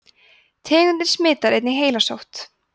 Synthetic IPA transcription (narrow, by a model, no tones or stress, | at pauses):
t̪ʰɛːɣʏnɪnsmɪːt̪aɾejt̪nɪɦeːjlasowht̪